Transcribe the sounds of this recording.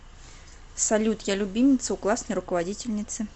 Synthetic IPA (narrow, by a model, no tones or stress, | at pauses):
sɐlʲut̪jalʲʊbʲimʲɪt̪səuklˠasnəjɾʊkəvadʲitʲɪlʲnʲɪt̪sɨ